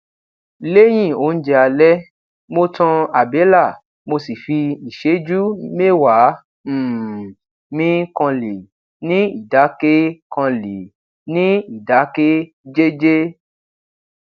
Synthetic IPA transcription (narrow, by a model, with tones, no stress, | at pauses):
le˦j̃ĩ˦˨o˨˦n̩˦d͡ʒɛ˧a˧lɛ˦ | mo˧tɔ̃˧a˨be˨˦la˦˨ | mo˧si˨fi˧i˨ʃe˨˦d͡ʒu˦me˦wa˨˦˨ | mĩ˦kɔ̃˧li˨ | nĩ˦i˨da˨˦ke˦kã˧le˨ | nĩ˦i˦˨da˨˦ke˦ | d͡ʒe˦d͡ʒe˦